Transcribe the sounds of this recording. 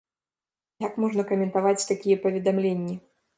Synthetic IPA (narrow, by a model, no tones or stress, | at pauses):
jakmɔʐnɐkɐmʲɛnt̪avat͡sʲt̪akʲijɛpɐvʲɛd̪amlʲenʲːi